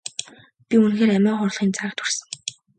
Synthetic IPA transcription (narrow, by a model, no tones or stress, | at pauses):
pʲiunxeːɾæmæːχʊr̆ɮχiːnt͡saə̆t̪xursɘ̆ŋ